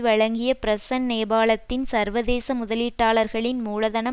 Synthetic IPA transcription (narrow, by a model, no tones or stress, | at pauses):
ʋɐɻɐŋɡɪjɐpɪɾɐsɐnneːbaːɭɐt̪ːɪnsɐɾʋɐðeːsɐmʊðɐliːʈːaːlɐɾɣɐɭɪnmuːɻɐðɐnɐ